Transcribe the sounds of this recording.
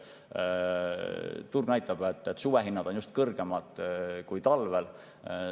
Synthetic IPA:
t̪urɡ̥næjt̪ːˑɑb̥e̞t̪ˑːet̪ːˑsuweɦinːɑd̪̥o̞njust̪kɤrɡ̥e̞mɑd̪̥kujt̪ɑlvel

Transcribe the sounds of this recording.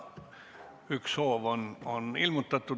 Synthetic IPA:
yksoːʋononilmot̪ːɑt̪ːu

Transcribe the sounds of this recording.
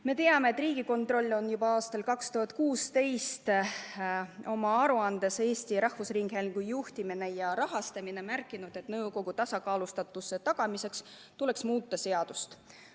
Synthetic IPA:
me̞t̪e̞ɑme̞ːt̪ːˑriːɡ̥iko̞nt̪ro̞lʲːo̞njubɑɑːst̪ɑlkɑkst̪uhɑt̪̚ˑkuːst̪e̞jst̪ | o̞mɑɑɾuɑnd̪e̞se̞ːsʲt̪iɾɑhfusriŋɡhelʲɡ̥ujuht̪imine̞jɑɾɑɦɑst̪ɑmine̞mærkːˑinud̪̥e̞t̪nɤwko̞ɡut̪ɑsɑkɑːlust̪ɑt̪ːusːe̞t̪ɑɡ̥ɑmise̞ks | t̪ule̞ksmuːt̪ːˑɑse̞ɑd̪̥ust̪

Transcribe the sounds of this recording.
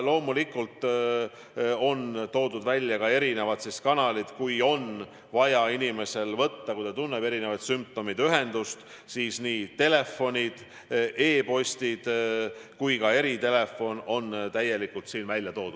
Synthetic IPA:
lo̞ːmulikːˑult̪ | o̞nt̪o̞ːd̪ud̪vælʲːjɑkɑe̞ɾine̞vɑt̪siskɑnɑlid̪̥kujo̞n | vɑjɑinime̞se̞lvɤt̪ːɑkujt̪ɑt̪unːepe̞ɾine̞vɑt̪symp̚t̪o̞mid̪yɦe̞nd̪̥ust̪ | siːsniːt̪e̞le̞fo̞nʲid̪̥ | ʔe̞ːpo̞sʲt̪id̪̥kujkɑe̞ɾit̪e̞le̞fo̞no̞nt̪æje̞likːult̪siːnvælʲjɑt̪o̞ːd̪̥u̥

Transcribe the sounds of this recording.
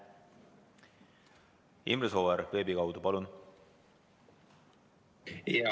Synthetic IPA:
ḭmreso̞ːeɾve̞ːbikɑwd̪upɑlun

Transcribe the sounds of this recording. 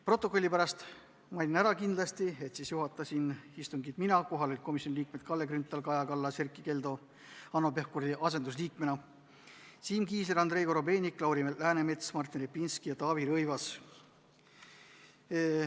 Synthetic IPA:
pro̞t̪ːˑo̞kˑo̞lʲːipæɾɑst̪ | mɑlʲinæɾɑkind̪lɑst̪ie̞t̪sisjuɦɑt̪ːˑɑsinist̪uŋɡit̪minɑko̞ɦɑlelt̪̚ko̞misionʲiliːk̚me̞d̪̥̚kɑlːe̞kɾynt̪ːˑɑlkɑjɑkɑlːɑserkˑːike̞ld̪̥o̞ | ɑnːo̞pe̞hkurd̪iʔɑs̬e̞nd̪usliːk̚me̞nɑ | siːmkiːseɾɑnd̪re̞jɡo̞ɾobe̞ːnʲikːlɑwɾimelæːneme̞t̪smɑrt̪ʲːˑenɾipːinskijɑt̪ɑːviɾɤjvɑs

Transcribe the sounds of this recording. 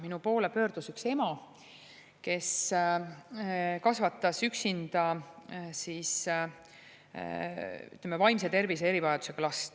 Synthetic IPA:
minupo̞ːle̞pø̞ːɾd̪̥usykse̞mɑ | ke̞s | kɑsvɑt̪ˑːɑsyksind̪̥ɑ | sis | y̰t̪ːlemːevɑjmset̪e̞rvisee̞ɾivɑjɑd̪̥use̞klɑst̪

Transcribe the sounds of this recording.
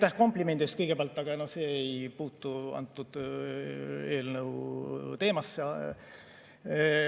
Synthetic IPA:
t̪æhko̞mplime̞nd̪̥st̪̚kɤjɡ̥epeæɑlt̪ːˑɑɡ̥ɑno̞hse̞ːejpuːt̪ːˑuɑ̰nt̪ːˑud̪̥ | e̞ːlnɤwt̪e̞ːmɑsːɑ

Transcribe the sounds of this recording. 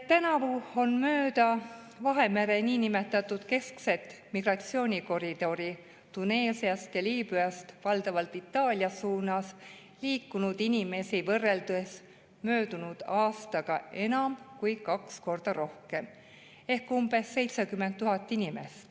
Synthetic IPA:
t̪ænɑvuo̞nmøːd̪̥ɑ | vɑɦe̞meɾe̞niːnime̞t̪ːˑɑt̪ːˑud̪̥ke̞skse̞t̪ːˑmiɡ̥rɑt̪sio̞ːnʲiko̞ɾid̪̥o̞ɾi | t̪une̞ːsiɑst̪jɑliːbyɑst̪vɑld̪ɑvɑlt̪ːˑit̪ːˑɑːlʲiɑsuːnɑs | liːkːunud̪̥inime̞sivɤrːe̞ld̪ues | mø̞ːd̪̥unud̪̥ɑːst̪ɑɡ̥ɑe̞nɑmkujkɑksko̞rd̪̥ɑɾo̞hke̞m | e̞hkumb̥e̞sːe̞jt̪sekymːe̞nt̪ːuɦɑt̪ˑːinime̞̰st̪

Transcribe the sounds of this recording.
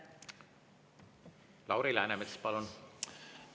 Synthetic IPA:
lɑwɾilæenemet̪spɑlun

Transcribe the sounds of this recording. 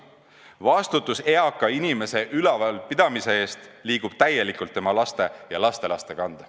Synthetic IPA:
vɑst̪ut̪ːˑuse̞ɑkːˑɑinime̞se̞ʔylɛvɑlpid̪̥ɑmise̞e̞ːst̪liːɡ̥ub̥̚t̪æje̞likˑult̪ːemɑlɑst̪e̞jɑlɑst̪e̞lɑst̪e̞kɑnd̪̥ɑ

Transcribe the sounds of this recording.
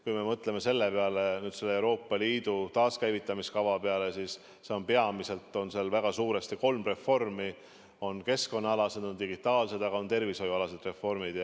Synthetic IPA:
kujme̞mɤt̪ˑle̞me̞se̞lːepeɑle̞nyːd̪̥se̞lːeewɾo̞ːpːˑɑliːd̪̥ut̪ɑːskæjvit̪ˑːɑmiskɑvɑpeɑle̞siːs | se̞o̞npe̞ɑmise̞lt̪ːˑo̞nselvæɡ̥ɑsuːɾe̞st̪iko̞lmre̞fo̞rmi | o̞nke̞sko̞nːɑɑlɑse̞d̪̥o̞nd̪iɡ̥it̪ːˑɑːlse̞d̪̥ɑɡɑo̞nt̪e̞rviso̞juɑlɑse̞d̪̥re̞fːo̞rmid̪̥j

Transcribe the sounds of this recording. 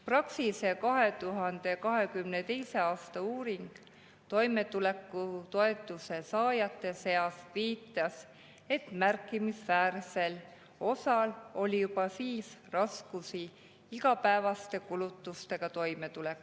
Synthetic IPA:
prɑksise̞kɑɦe̞t̪uɦɑnd̪̥e̞kɑɦe̞kymne̞t̪e̞jse̞ɑːst̪ɑuːɾiŋɡ̥ | t̪o̞jme̞t̪ule̞kːˑut̪o̞e̞t̪ːˑuse̞sɑːjɑt̪ˑːe̞se̞ɑsviːt̪ːˑɑs | e̞t̪mærkːˑimisvæːɾse̞l | o̞sɑlo̞lʲijupɑsiːsrɑskusi | iɡɑpæevɑst̪e̞kulut̪ːust̪e̞ɡ̥ɑt̪o̞jme̞t̪ule̞kːˑu

